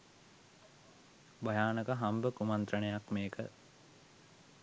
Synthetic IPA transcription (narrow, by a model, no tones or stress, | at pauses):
bajaːnəkəɦambəkumant̪ɾənejakmeːkə